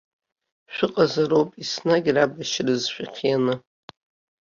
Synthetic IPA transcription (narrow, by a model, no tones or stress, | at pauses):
ʃᶣʷɨqʼazaɾowpʼisnaɡʲrabaʃrɨzʃᶣiqʰjanɨ